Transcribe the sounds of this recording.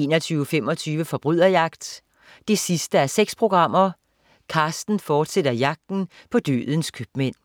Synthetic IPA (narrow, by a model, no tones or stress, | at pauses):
e̝̰ːnɒt͡sʰyːfem̰ɒ̽t͡sʰyːʋəfɒ̽b̥ʁyð̞̰ˠɐjɑ̈ɡ̥̚d̥ː | e̝sisd̥əæɐseɡ̥spʰʁo̝ɡ̥ʁɑ̈m̰ɐ | kʰɑ̈ːsd̥n̩fɒːd̥sed̥ɐjɑ̈ɡ̥̚d̥n̩ | pʰɒ̽d̥ø̰ːðˠn̩skʰyb̥men̰